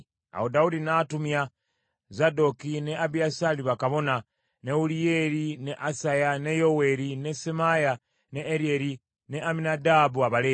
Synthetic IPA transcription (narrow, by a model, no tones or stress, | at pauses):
a̰hodaudinatumja | zadokineabiasaliβakaβo̞na | ne̞ulijeɾineʔasajane̞jowe̞ɾinesemaja | neːɾieɾi | neʔaminadabuaβaleː